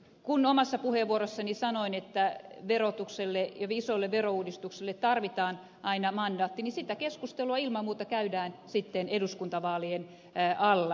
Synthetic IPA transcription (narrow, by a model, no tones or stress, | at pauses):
kunomɑsːɑpuheʋʋuoɾosːɑnisɑnoinet̪ːæʋerot̪ukselːejɑʋisoilːeʋʋerouːdist̪uksilːet̪t̪ɑrʋit̪ɑːn | ʔɑinɑmɑndɑːt̪ːinisit̪ækeskust̪eluɑilmɑmuːt̪ɑkæydæːnsit̪ːeneduskunt̪ɑʋɑːlien | ʔɑlːɑ